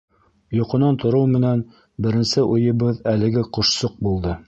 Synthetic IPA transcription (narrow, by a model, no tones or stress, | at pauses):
jŏqŏnɑnt̪ŏɾɤwmɘ̆næn | bɘ̆ɾɘ̆nsɘʔujɤ̆βɤðælɘ̆ɡɘqŏʃsoq̚bulˠd̪ɤ